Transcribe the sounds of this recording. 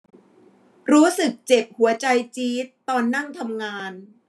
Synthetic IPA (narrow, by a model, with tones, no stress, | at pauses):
ɾuː˦˥sɯ˨˩k̚t͡ɕe˨˩p̚hu˩˦ɐt͡ɕa˧jt͡ɕiː˦˥t̪ːɔː˧nːa˥˩ŋt̪ʰa˧mŋaː˧n